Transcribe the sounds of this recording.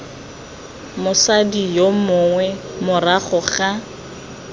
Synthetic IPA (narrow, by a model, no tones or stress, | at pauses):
mʊsadijomʊŋwɛmʊraχʊχa